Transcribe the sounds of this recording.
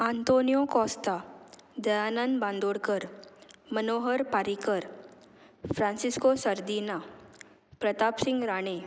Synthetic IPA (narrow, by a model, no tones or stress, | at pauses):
ãːnt̪oːnijõkɔ̃ːst̪ad̪ɐjaːnand̪bãːnd̪oːɽkəɾmənoːɦəɾpaːɾikəɾ | fɾãːnsɪskosɐɾd̪iːna | pɾɐt̪aːpsɪ̃ŋɡɾaːɽ̃e